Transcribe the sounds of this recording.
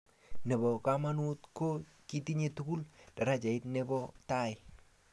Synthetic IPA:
nɛ˨bɔ˨kama˦nu˦tko˦ | ki˦ti˦ɲe˨tuku˦ld̥a˨ɾa˦t͡ʃa˨ɪ˦tnɛ˦bɔ˦ta˦ɪ˨

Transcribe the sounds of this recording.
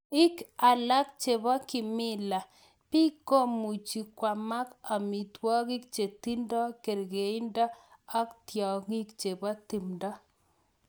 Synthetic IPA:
ɪ˦ka˨la˦k̚t͡ʃe˨bɔ˦kɪ˨mɪ˦la˨ | pi˦ko˦mu˨t͡ʃi˨kwa˨ma˦ka˨mi˨twɔ˦kɪ˦k̚t͡ʃe˨ti˦ndɔ˦ke˨ɾɡe˨i˦ndɔ˦a˦ktjɔ˨ŋi˦kt͡ʃe˨bɔ˦ti˨mdɔ˦

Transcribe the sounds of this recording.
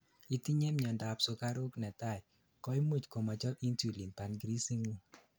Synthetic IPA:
i˨ti˦ɲɛ˦mɲɔ˨nda˨pso˧ka˦ɾo˦knɛ˨ta˦˨ɪ˨ | kɔ˦i˦mu˦t͡ʃko˨ma˨t͡ʃɔ˦pi˦ntu˦˨li˨mpa˨nɡɾi˦si˦ŋu˦˨

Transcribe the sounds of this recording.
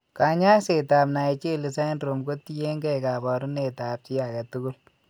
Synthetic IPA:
ka˨ɲa˦se˨ta˨bna˨t͡ʃe˦li˨sa˦nɾo˨mɡo˦ti˦je˦ŋɡɛ˦jka˨bɔ˨ɾu˦ne˨ta˨p̚ti˦ja˨ka˨tu˦ɡu˦l

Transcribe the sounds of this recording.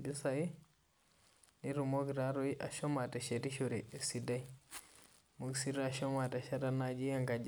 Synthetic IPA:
bi˦sa˨i˦ | ni˦ɾu˨mo˦ɡɾa˦ɾo˦i˦ʔa̰˨ʃo˦ma˨ta˨ʃe˨ɾi˦ʃo˨ɾe˨si˨da˦i | mu˦ɡsi˦ɾa˨ʃo˦ma˨ta˨ʃa˦ɾa˦na˦d͡ʒi˦ja˦ŋɡa˨d͡ʒ

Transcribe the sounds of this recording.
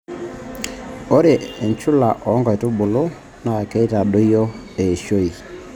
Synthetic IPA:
o˦ɾe˨e˨ɲt͡ʃʊ˦la˨ʔɔ˨˦ŋɡɔ˨i˨to˦bʊ˨lo˦ | na˨ke˦i˦ta˨ɗo˦i˦ɔ˦e˨ʃo˦i˨

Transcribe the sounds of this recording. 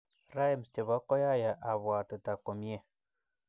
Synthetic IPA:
ra˦je˦˨mst͡ʃe˨βa˦kɔ˦ja˦ja˨ʔa˨βa˨tɨ˨ta˨ko˨mje˦

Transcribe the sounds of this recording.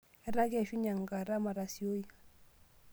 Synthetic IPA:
ɛ˦ɾa˦ɡɛ˨ʃu˦ɲa˨ŋɡa˨ɾa˦ma˨ɾa˨si˨o˦i˦

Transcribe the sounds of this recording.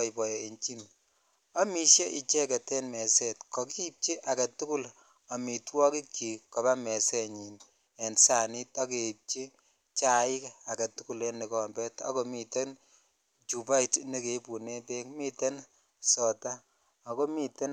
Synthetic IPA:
ipɔ˨je˨ɲt͡ʃi˦n | a˦mi˨ʃje˦ʔi˨t͡ʃɛ˦kɛ˨tɛ˦nmɛ˨sɛtkɔ˨ki˦p̚t͡ʃi˦ʔa˨ka˨tu˦ku˦l | a˨mi˨twɔ˦ki˦ki˨kɔ˨ba˦mɛ˨sɛ˦ɲi˨n | ɛ˨nsa˨ni˦tɔ˦ke˨p̚t͡ʃi˦ | t͡ʃa˨ɪ˦ka˨ka˨tu˦ku˨le˦ni˨kɔ˨mbɛ˦tɔ̰˦ko˨mite˦n | t͡ʃu˨ba˦itni˦ke˨˦pu˨ne˦te˦kmi˦te˦n | sɔ˨taː˦˨ | ko˦mi˦te˦n

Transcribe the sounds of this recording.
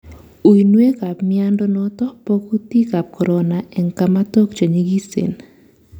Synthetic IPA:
u˨i˨nwe˦ka˨pmia˦ndo˦nɔ˦t̪ɔ˦po˦ku˦t̪i˦ka˨p̚kɔ˨ɾɔ˨na˨ʔɛ˨ŋka˨ma˦t̪o˦kt͡ʃo˨ɲi˦ɡi˦sḛ˨n

